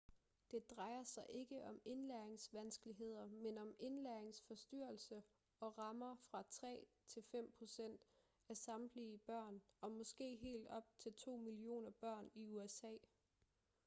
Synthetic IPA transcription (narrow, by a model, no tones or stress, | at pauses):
d̥e̝d̥ʁɑ̈ɪɐsɑ̈ɪʔe̝ɡ̥əʔɒ̽me̝nlæɐe̝ŋsʋænsɡ̥əliɦe̝ð̞̰ˠɐmenɒ̽me̝nlæɐeŋsfɒ̽sd̥yɐ̰l̩sə | ɒ̽ʁɑ̈mɐfʁɑ̈t͡sʰʁɛ̰ː | t͡sʰe̝lfem̰pʰʁo̝sen̰d̥ | æsɑ̈mb̥liːb̥ɶɐ̰nɒ̽mɒ̽sɡ̥e̝̰ːɦe̝̰ːld̥ɒ̽b̥̚t͡sʰe̝lt͡sʰo̝̰ːmilio̝̰ːnɐb̥ɶɐ̰niuesɛ̰ː